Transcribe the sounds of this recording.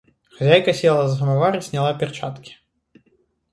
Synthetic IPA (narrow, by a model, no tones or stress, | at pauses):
xazʲajkɐsʲɛlˠɐzɦɐmavaɾɨsʲnʲalˠapʲɛrt͡ʂat̪kʲi̥